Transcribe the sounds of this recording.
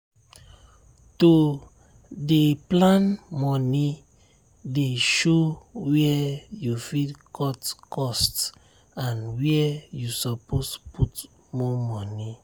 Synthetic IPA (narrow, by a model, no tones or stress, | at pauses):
to | deplãnmɔni | deʃowɛjufidkʰɔtkɔst | ãnwɛɛjusɔpospʰut | mɔmɔni